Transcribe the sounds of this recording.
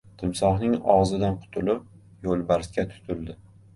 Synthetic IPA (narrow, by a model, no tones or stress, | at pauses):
t̪ʰɪmsɒχnɪŋɒʁzɪd̪anqʰʊ̥t̪ʰʊlɪp̚ | jolˠbaɾskʲat̪ʰʊ̥t̪ʰʊld̪ɪ